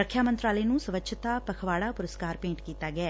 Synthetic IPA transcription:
əkʰjaːmə̃nt̪ɾaːləinũːsəʋəkʃʰət̪aːpəkʰʋaːɽaːpʊɾəskaːɾpẽːɳʈkiːt̪aːɡɪɛː

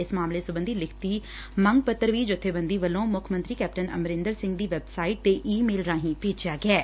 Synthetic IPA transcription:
ɪsmaːmleːsʊbə̃nd̪iːlɪkʰt̪iː | məŋɡ̚pət̪ːəɾʋiːd͡ʒʊt̪ʰːeːbənd̪iːʋəlõːmʊkʰmə̃nt̪ɾiːkɛːp̚ʈənə̰mɾɪ̃nd̪əɾsɪ̃ŋɡd̪iːʋɛːbsaːiʈ̚t̪eːʔiːmeːlɾãːɦĩːpeːd͡ʒɪjaːɡɪɛː

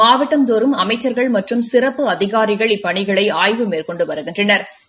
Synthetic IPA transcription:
aːʋɪʈːɐmt̪oːɾɯmɐmɐɪt͡ʃːɐɾɣɐɭmɐʈrɯmsɪɾɐpːɯɐðɪɣaːɾɪɣɐɭɪpːɐɳɪɣɐɭɐɪaːjʋɯmeːɾkɔɳɖɯʋɐɾɯɣɪndrɐnɐɾ

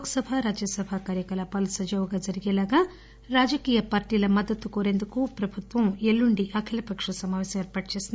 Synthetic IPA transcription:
kɐsɐbʱaɾaːd͡ʒɐsɐbʱakaːɾjɐkɐlɐpɐlusɐd͡ʒɐʋɡaːd͡ʒɐɾiɡɛːlaːɡaː | ɾaːd͡ʒɐkiːjɐpaːɾʈiːlɐmɐd̪ːɐt̪ːukoːɾe̞nd̪ukupɾɐbʱut̪ʋɐmelːuɳɖiʔɐkʰilɐpɐkʂɐsɐmaːʋɛːsɐmɛːɾpaːʈɐt͡ʃeːsind̪

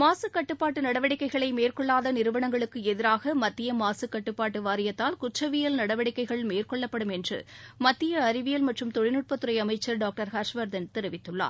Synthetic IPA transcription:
maːsɯkːɐʈːɯpːaːʈːɯnɐɽɐʋɐɽɪkːɐɪɣɐɭɐɪmeːrkɔɭːaːðɐnɪɾɯʋɐɳɐŋɡɐɭɯkːɯɛðɪɾaːɣɐmɐt̪ːɪjɐmaːsɯkːɐʈːɯpːaːʈːɯʋaːɾɪjɐt̪ːaːlkʊʈrɐʋɪjɐlnɐɽɐʋɐɽɪkːɐɪɣɐɭmeːrkɔɭːɐpːɐɽɯmɛndrɯ̰mɐt̪ːɪjɐːɾɪʋɪjɐlmɐʈrɯmt̪ɔɻɪnɯʈ̚pɐt̪ːɯɾɐɪɐmɐɪt͡ʃːɐɾɖaːk̚ʈɐɾhɐɾʂʋɐɾd̪ɐnt̪ɛɾɯʋɪt̪ːɯɭːa̰ːɾ

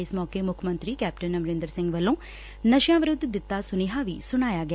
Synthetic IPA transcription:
jsmɔːkemukʰɐmɐnt̪ɾikaːp̚ʈɐnːɐmɾend̪ɐɾsiŋɡʋɐlːõː | nɐʃjãːʋɐɾud̪d̪it̪ːaːsuniɦaːʋisunaːjaːɡa

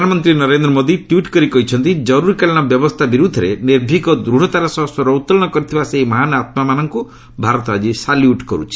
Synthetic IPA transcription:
anɔmɔnt̪ɾinɔɾend̪ɾɔmɔd̪iʈwiʈkɔɾikɔɦit͡ʃʰɔnt̪id͡ʒɔɾuɾikaliñɔbjɔbɔst̪ʰabiɾud̪ʱɔɾeneɾbʱikɔd̪ɾuɽ̤ɔt̪aɾɔsɔɦsɔɾɔut̪ːɔlɔɽ̃ɔkɔɾit̪ʰibaseɦimɔɦanat̪mamanɔŋku | bʱaɾɔt̪ɔad͡ʒisaljuʈkɔɾṵt͡ʃʰi̥

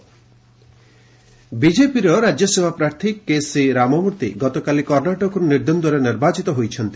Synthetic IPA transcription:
bid͡ʒepiɾɔɾad͡ʒjɔsebʱapɾaɾt̪ʰikːesiɾamɔmuɾt̪ḭɡɔt̪ɔkalikɔɾnaʈɔkɔɾɔniɾd̪ond̪ɔɾeniɾbat͡ʃit̪ɔɦojt͡ʃʰɔnt̪i

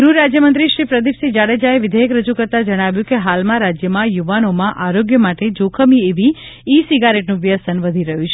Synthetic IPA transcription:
ɡɾuɾad͡ʒjəmənt̪ɾiʃɾipɾəd̪ipsid͡ʒaɽed͡ʒaeʋɪd̪ʱeɦekɾəd͡ʒukəɾt̪ad͡ʒəɽ̃aʋjũkeɦalmãɾad͡ʒjəmãjuʋanomãʔaɾoɡjəmaʈed͡ʒokʰəmieʋiː | siɡaɾeʈnũʋjəsənʋəd̪ʱiɾəɦũt͡ʃʰe

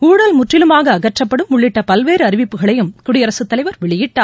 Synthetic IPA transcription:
uːɽɐlmʊʈrɪlɯmaːɣɐːɣɐʈrɐpːɐɽɯmːʊɭːɪʈːɐpɐlʋeːɾɯɐɾɪʋɪpːɯɣɐɭɐjɯmkʊɽɪɐɾɐsɯt̪ːɐlɐɪʋɐɾʋɛɭɪjɪʈːaː

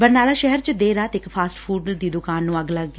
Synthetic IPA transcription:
bəɾnaːlaːʃɛɦɛɾt͡ʃd̪eːɾaːt̪ɪkpʰaːsʈpʰuːɖd̪iːd̪ʊkaːnːũːəɡləɡ

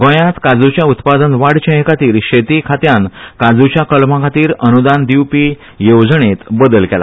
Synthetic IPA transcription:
ɡõjãt̪kad͡zut͡ɕjaut̪pad̪ənʋaɽt͡ɕə̃ɦkat̪iːɾɕet̪ikʰat̪jãnkad͡zut͡ɕjakəlmakʰat̪iːɾənud̪and̪iwpiː | jowd͡zɳet̪bəd̪əlkɛla̰

